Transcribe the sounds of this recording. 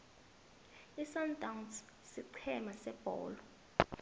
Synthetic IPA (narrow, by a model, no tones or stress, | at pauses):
isantʼawns | siǀʰɛmasɛb̥ʱɔ̰ːlɔ